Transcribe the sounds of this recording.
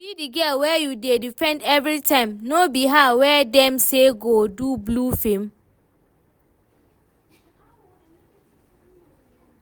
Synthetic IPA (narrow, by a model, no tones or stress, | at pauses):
bidiɡɛlwɛjudedifɛ̃ndɛvɾitʰãɪ̃mnobiɦawɛdɛ̃mseɡodublufẽm